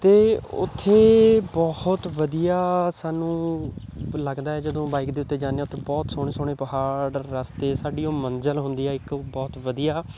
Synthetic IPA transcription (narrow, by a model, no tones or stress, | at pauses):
t̪eːʊ̰t̪ʰːeːbɔːht̪ʋəd̪ijaːsaːnũː | ləɡd̪aːɛːd͡ʒəd̪õːbaːɪkd̪eːʊt̪ːeːd͡ʒaːneːaːʊt̪ʰːeːbɔːt̪soːɽ̃eːsoːɽ̃eːpəɦaːɽːəst̪eːsaːɖiːõːmənd͡ʒəlɦʊnd̪iːɛːɪkbɔːt̪ʋəd̪ijaː